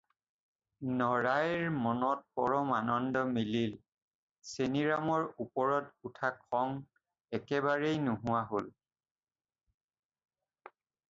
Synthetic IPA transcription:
nɔɹajɹmɔnɔt̚pɔɹɔmanɔndɔmilil | seniɹamɔɹupɔɹɔtutʰakʰɔŋ | ɛkɛbaɹejnʊɦʊwaɦol

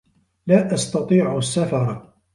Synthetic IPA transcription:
laːʔast̪ɑt̪ˤiːʕʊsːafɑɾˤ

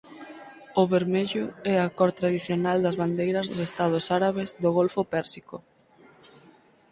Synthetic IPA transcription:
ʊβeɾmeʎʊɛakɔɾt̪ɾaðiθjonald̪ɐzβand̪ejɾɐzðosest̪að̞ʊsaɾaβezðoɣolfʊpɛɾsiko

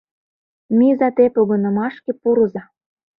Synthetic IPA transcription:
mizɑt̪epoɣɤ̆nɤ̆mɑʃkĕpuɾɤ̆zɑ

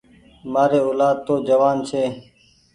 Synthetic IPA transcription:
maːɾeːoːlaːd̪̚t̪oːd͡ʒəʋaːnt͡ʃʰeː

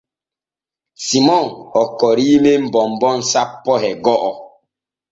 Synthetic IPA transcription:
simɔŋɔkɔɾiːmem̩bɔmbɔn̩sapːɔɦɛɡɔʔɔ

